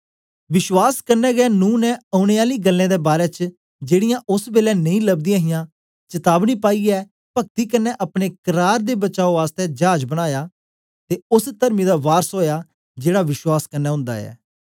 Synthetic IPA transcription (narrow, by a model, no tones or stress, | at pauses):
ʋɪʃwaːskəɾnɛːɡɛːnũːnɛ̃ːəʊñeːaːliːɡəlːẽːd̪eːbaːɾɛːt͡ʃ | d͡ʒeːɽɪjãːʔʊsbeːlɛːnəĩːləbd̪ɪjãːɦɪjãː | t͡ʃət̪aːbniːpaːiːɛː | pək̚t̪iːkəɾnːɛ̃ːʔəpɽ̃eːkəɾaːɾd̪eːbət͡ʃaːoːaːst̪ɛːd͡ʒaːd͡ʒbəɽ̃aːjaː | t̪eːʊst̪əɾmiːd̪aːʋaːɾsɦoːjaː | d͡ʒeːɽaːʋɪʃwaːskəɾnɛːɦʊ̃nd̪a̰ːɛ̰ː